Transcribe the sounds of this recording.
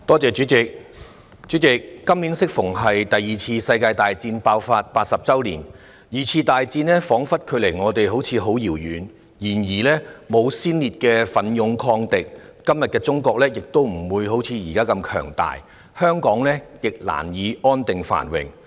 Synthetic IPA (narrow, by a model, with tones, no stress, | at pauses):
t̪ɔː˥t͡sɛː˨t͡ʃyː˨˥t͡sɪ˨k̚ | t͡sy˨˥t͡sɪ˨kːɐ˥mliː˨˥nsɪ˥k̚fʊ˨˩ŋɦɐ˨jt̪ɐ˨jːiː˨˩t͡sʰiː˧sɐ˧jkaː˧jt̪aː˨jt͡siː˧npaː˧wfaː˧t̚paː˧t̚sɐ˨p̚t͡sɐ˥wlḭː˨˩n | jiː˨t͡sʰiː˧t̪aː˨jt͡siː˧nlɛː˥fɔː˨˥ŋfɐ˥t̚kʰɵ˨˧ɥle˨˩jŋɔː˨˧t̪e˨jɦo˨˥wt͡sʰiː˨˧ɦo˨˥wjiː˨˩wjyː˨n | jiː˨˩njiː˨˩lɛː˥mo˨˧wsiː˥nliː˨t̚kɛː˧fɐ˨˥njʊ˨˧ŋkʰɔː˧ŋt̪ɪ˨k̚kɐ˥mjɐ˨t̚kɛː˧t͡sʊ˥ŋkɔː˧k̚lɛː˥jɪ˨k̚t̪o˥wm̩˨˩wuː˨˧jho˨˥wt͡sʰiː˧jiː˨˩kaː˥kɐ˧mkʰœ̰ː˨˩ŋt̪a̰ː˨j | hœː˥ŋkɔː˨˥ŋlɛː˥jɪ˨k̚la̰ː˨˩njiː˨˧ɔː˥nt̪ɪ˨ŋfa̰ː˨˩nwɪ̰˨ŋ